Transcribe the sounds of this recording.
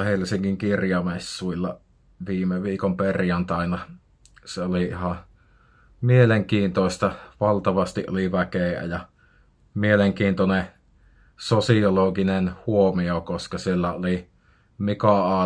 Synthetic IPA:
helːˑisiŋkiŋkirjɑmesːuilːɑ | ʋiːmeʋiːkomperjɑnt̪ɑˑinɑ | seoliihɑ | mieleŋkiːnt̪oˑist̪ɑʋɑlt̪ɑʋɑst̪iʔʔo̰liʋækeæ̰jɑ | mieleŋkiːnt̪one | sosioloɡinenhuomiokoskɑsielːæoli | mikɑɑː

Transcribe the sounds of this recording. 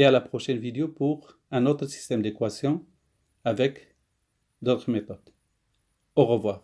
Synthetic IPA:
ealapχɔʃɛnvid̪eopuʁ | ɛ̃not̪χəsi̥st̪ɛmd̪ekwasjɔ̃ | avɛk | d̪ot̪χəmet̪ɔd̪ | oʁəvwaʁ

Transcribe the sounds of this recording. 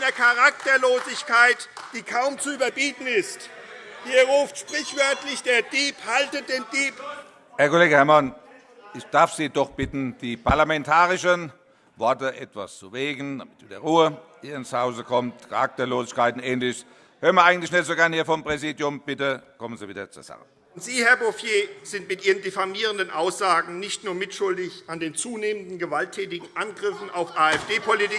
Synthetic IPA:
nɐkʰaʁak̚tɐloːzɪçkʰaɪtd̥iːkʰaʊmt͡suyːbɐbiːtn̩ɪst | hiːɐɐʁuːftʃpʁ̥ɪçv̥œɐtlɪçd̥eːɐdiːphaltəd̥eːndiːp | hæɐkoleːɡəhɛɐman | ʔɪçd̥aɐfz̥iːdɔχb̥ɪtn̩d̥iːpʰaɐlamɛntʰaːʁɪʃən | vɔɐtəʔɛtv̥ast͡suveːɡn̩d̥amɪtv̥iːdɐʁuːəhiːɐɪnshaʊzəkʰɔmtkʰa̰ʁak̚tɐloːzɪçkaɪtn̩ʔɛːnlɪç | høːɐʁnmɐʔaɪɡŋ̩tlɪçnɛtz̥oɡɛɐnhiːɐfɔmpʁ̥ɛziːdjʊmb̥ɪtəkʰɔmənziːviːdɐt͡suːɐz̥a̰χə | ntz̥iːhɛɐbofjeːz̥ɪntmɪtʔiːʁəndefamiːʁ̞əndənʔaʊsz̥aːɡŋ̩nɪçtnuːɐmɪtʃʊldɪçʔandeːnt͡suːneːmən̩dn̩ɡəvaltʰːɛːtɪɡŋ̩ʔanɡʁɪfn̩aʊfʔaːɛfd̥eːpʰɔlitɪ

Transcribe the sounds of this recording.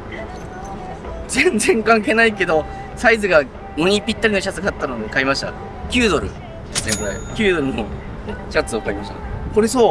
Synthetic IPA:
zẽ̞nd͡zẽ̞ŋkãŋke̞ːnaike̞d̪o̞ | saizɨɡa | no̞ɲ̟ipʲːit̪ːaɾʲino̞ɕat͡sɨkat̪ːanod̪ekaimaɕi̥t̪a̰ | kʲɨːd̪o̞ɾɯ̟ | zẽŋka̰ikʲɨːd̪o̞ɾɯ̟no | ɕat͡sɨokaimaɕt̪a̰ko̞ɾesoː

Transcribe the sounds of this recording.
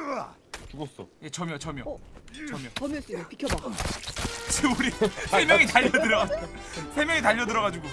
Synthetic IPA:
t͡ɕuos͈oje̞t͡ɕʌmjʌt͡ɕʌmjʌt͡ɕʌmjʌt͡ɕʌmjʌs͈pikʰjʌba | t͡ɕeuɾisʰemjʌŋitaʎːʌdɯɾʌasʰe̞mjʌŋitaʎːʌdɯɾʌɣad͡ʑuɡo

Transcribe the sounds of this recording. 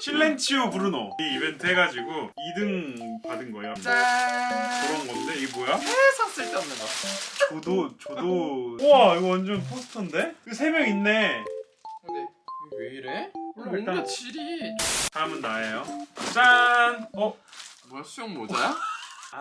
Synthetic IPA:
ɕʰilːent͡ɕʰiopuɾɯnoiibentʰɯɦeɡad͡ʑiɡo | idɯŋpadɯnɡʌejoa | kɯɾʌnɡʌnde̞ibojahesʰaŋs͈ɯɭt͈ʌnːɯɡʌt͡ɕodot͡ɕodoʌiɡʌwand͡ʑʌnpʰosʰɯ̥tʰɯnde̞kesʰe̞mjʌŋinːe̞ | dekeiɾeiɭt͈at͡ɕʰiɾitaɯmɯnːaejot͡ɕ͈anʌmosʰujoŋmod͡ʑa

